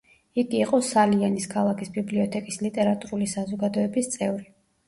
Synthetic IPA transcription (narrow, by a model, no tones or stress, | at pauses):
iɡiːqʼɔsalianiskʰalˠakʰisbibliɔt̪ʰɛkʼislit̪ʼɛɾat̪ʼuɾulisazɔɡad̪ɔɛbist̪sʼɛvɾi